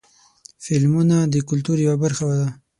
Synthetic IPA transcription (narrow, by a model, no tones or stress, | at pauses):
fɪlmunad̪əkʊlt̪uɾjawabəɾxawad̪a